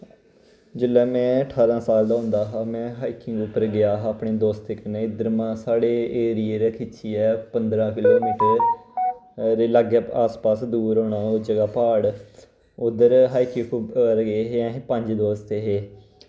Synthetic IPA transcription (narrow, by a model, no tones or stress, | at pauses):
d͡ʒɪlːɛːmɛ̃ːəʈʰaːɾãːsaːld̪aːɦʊ̃nd̪aːɦaːmɛ̃ːɦaːikɪ̃ŋɡʊpːəɾɡɪjaːaːpɳeːd̪oːst̪ɪkneːɪd̪əɾmãːsaːɽeːeːɾieɾeːkʰɪt͡ʃʰiːɛːpənd̪ɾãːkɪloːmiːʈəɾ | ɾeːləɡaaːspaːsd̪uːɾoːɳaːod͡ʒəɡaːpaːɽ | ʊd̪əɾɦaːikɪ̃kʰʊɾɡeːɦeɛ̃ːpəɲd͡ʒd̪oːst̪eːɦeː